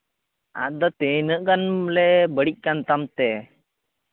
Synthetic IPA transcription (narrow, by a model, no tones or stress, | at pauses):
a̰t̪̚d̪ɔt̪enəʔkanlɛbəɽic̚ˀkant̪amt̪ɛ